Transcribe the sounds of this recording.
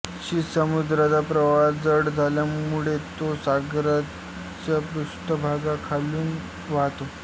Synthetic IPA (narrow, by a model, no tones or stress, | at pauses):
ɕisəmud̪ɾat͡sapɾəʋad͡zəɽd͡zʱaljamuɭet̪osaɡɾa | t͡ɕjapɾust̪əbʱaɡakʰaluːn | ʋaɦt̪o